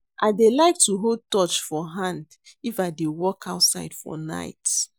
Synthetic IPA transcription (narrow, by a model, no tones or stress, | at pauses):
ʔaɪdelaɪk̚tuɦold̚tɔt͡ʃfɔɦãnd | ifaɪdewɔkʰaʊtsa̰ɪdfɔ̰na̰ɪt